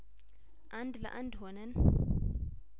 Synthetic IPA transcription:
ʔandila̰ʔandɦɔnɛn

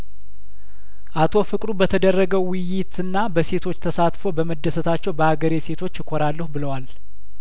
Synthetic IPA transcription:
ʔat̪ʰo̞fɨkʼɾubət̪ʰəd̪ərːəɡəwwʊjːɪt̪ɨnːabəse̞t̪ʰo̞t͡ʃːt̪ʰəsat̪fo̞bəməd̪ːəsət̪ʰat͡ʃːɛwbəhaɡəɾese̞t̪ʰo̞t͡ʃːɪkʰoɾalːəhubɨləwal

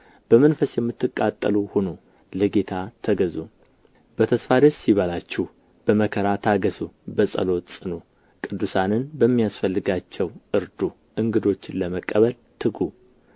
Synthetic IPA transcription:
b̥əmənfəsjɛmːɨt̪ːɨkʼːat̪ʼːə̰luhono | ləɡe̞t̪ʰat̪ʰəɡəzu | bət̪ʰəsfad̪əɾsiβəlat͡ʃːɛh | b̥əməkʰəɾat̪ʰaɡəsubəsʼə̰lo̞t̪sʼɨnu | kʼɨd̪ːusanɨnbəmːijasfəlːɨɡat͡ʃːɛwʔɨɾd̪u | ʔɨŋɡɨd̪o̞t͡ʃːɪnləməkʼːəβəl | t̪ʰɨɡu

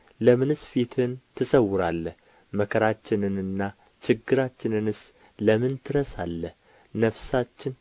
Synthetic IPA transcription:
ləmɨnɨsfit̪ʰɨnt̪ʰɨsəwʊɾalːəh | məkʰəɾat͡ʃːɪnɨnɨnːa | t͡ʃɪɡːɨɾat͡ʃːɪnɨnɨs | ləmɨnt̪ʰɨɾəsalːəh | nəfsat͡ʃːɪn

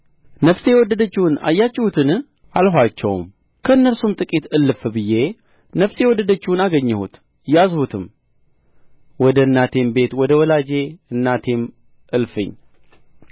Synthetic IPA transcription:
nəfse̞wɔd̪ːəd̪ət͡ʃːiwna̰jːat͡ʃːɪhut̪ʰɨn | ʔalɦʷat͡ʃːɛ̰wm | kʰəɨnːəɾsumt̪ʼɨkʼit̪ɨlːɨfbɨje̞ | nəfsewɔd̪ːəd̪ət͡ʃːɪwunaɡəɲːɛhṵt̪ | jazhut̪ʰɨm | wɔd̪əɨnːat̪ʰe̞mbe̞t̪wɔd̪əwɔlad͡ʒe̞ɨnːat̪ʰe̞m | ʔɨlfɨ̰ɲː

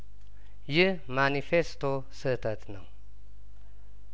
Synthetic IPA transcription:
jɪh | manifest̪ʰo | sɨt̪ʰət̪ʰnəw

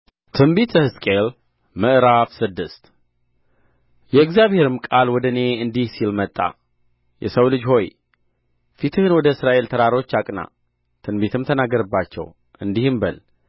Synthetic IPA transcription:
t̪ʰɨmbit̪əhɨskʼel | mɨʔɾafsɨd̪ːɨst̪ | jɛɨɡzjaβhe̞ɾɨmkʼalwɔd̪əne̞ɨnd̪ihsilmət̪ʼːa̰ | jɛ̰səwlɨd͡ʒho̞j | fit̪ʰɨhɨnwɔd̪əɨsɾaʔe̞lt̪ʰəɾaɾo̞t͡ʃːakʼna̰ | t̪ʰɨnbit̪ʰɨmt̪ʰənaɡːəɾɨbːat͡ʃːɛ̰w | ʔɨnd̪ihɨmbəl

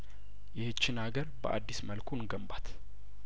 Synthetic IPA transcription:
jɪhɨt͡ʃːɪnaɡəɾbə̰ʔa̰d̪ːisməlkʰunɡəmbat̪

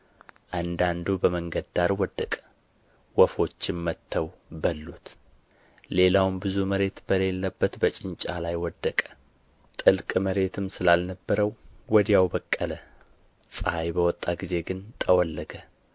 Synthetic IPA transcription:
ʔand̪and̪ubəməŋɡəd̪d̪aɾwɔd̪ːəkʼə̥ | wɔfo̞t͡ʃːɪmːət̪ʰːəwbəlːut̪ | le̞lawmbɨzuməɾe̞t̪b̥əle̞lːəbːət̪bət͡ʃʼɪnt͡ʃʼalajwɔd̪ːəkʼə̥ | t̪ʼɨlkʼməɾe̞t̪ʰɨmsɨlalnəbːəɾəwwɔd̪jawbəkʼːələ | sʼəajbəwɔt̪ʼːaɡize̞ɡɨnt̪ʼəwɔlːəɡə

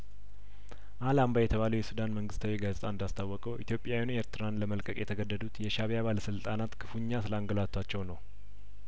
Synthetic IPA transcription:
ʔalambajɛt̪ʰəβaləwjɛsud̪anməŋɡɨst̪ʰawiɡazet̪ʼand̪ast̪ʰawːɔkʼəwʔḭt̪ʰjo̞pʼjawineɾt̪ʰɨɾanləməlkʼəkʼjɛt̪ʰəɡəd̪ːəd̪ut̪jɛʃaβjaβaləsɨlt̪ʼanat̪kʰɨfuɲːasɨləaŋɡəlat̪ʰːat͡ʃːɛwnəw

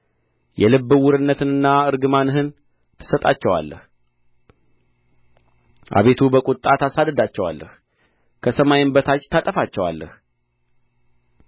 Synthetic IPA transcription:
jɛlɨbːɨwʊɾɨnːət̪ɨnɨnːaɨɾɡɨmanɦɨn | t̪ʰɨ̥sət̪ʼat͡ʃːɛwa̰lːəh | ʔa̰βe̞t̪ʰubəkʼʊt̪ʼːat̪ʰasad̪əd̪at͡ʃːɛwa̰lːə̰h | kʰəsəmajɪnbət̪ʰat͡ʃʼt̪ʰat̪ʼəfat͡ʃːɛwa̰lːəh

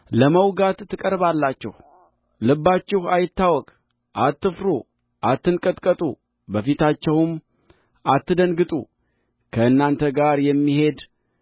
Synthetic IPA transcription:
ləməwɡat̪ʰːɨkʼəɾβalːat͡ʃːɪh | lɨbːat͡ʃːɪhajɪt̪ːawɔkʼ | ʔat̪ːɨfɾu | ʔat̪ːɨnkʼət̪ʼkʼət̪ʼu | bəfit̪ʰat͡ʃːɛwʊm | at̪ːɨd̪ənɡɨt̪ʼṵ | kʰəɨnːant̪ʰəɡaɾjɛmːihe̞d̪

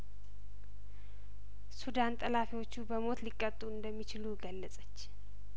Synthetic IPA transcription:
sud̪ant̪ʼəlafiwo̞t͡ʃːubəmo̞t̪likʼːət̪ʼːuɨnd̪əmːit͡ʃɪluɡəlːəsʼət͡ʃː

